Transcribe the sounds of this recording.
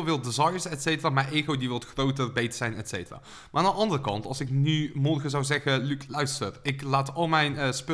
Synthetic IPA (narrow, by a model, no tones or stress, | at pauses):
lˠvɪlˠdizɑjəɹsɛtsejtəraːmajeːɣowdiʋɔltxrowtərbejtsɛjnɛtsejtəra̰ː | maːandəʔɑndərəkɑntɑ̰lˠsɪknymɔrɣəzɑwzɛɣəlyklœɥstərɪklaːtɑlˠmɛjnəspø